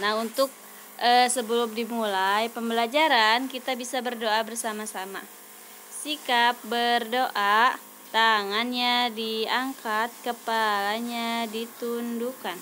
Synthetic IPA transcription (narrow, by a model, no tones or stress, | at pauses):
nahunt̪ʊk̚ | ʔəsəbəlʊm̚dimulajpəmbəlad͡ʒaɾankit̪abisabərdoabərsamasama̰ | sikap̚bərdoʔa | t̪aŋanɲadiaŋkat̪̚kəpalaɲadit̪undukan